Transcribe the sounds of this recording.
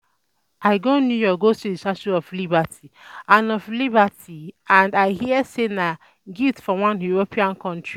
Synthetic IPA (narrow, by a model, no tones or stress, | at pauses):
aɪɡonjujɔɡostudisaʃuɔflibatʰiãnɔflibatʰiãndaɪhiɛsena | ɡiftfɔwãnjuɾopʰiãnkɔ̃ntɹi